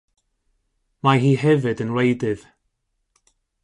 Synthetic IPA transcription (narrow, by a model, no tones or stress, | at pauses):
majihɛvɨdənlejdɪð̥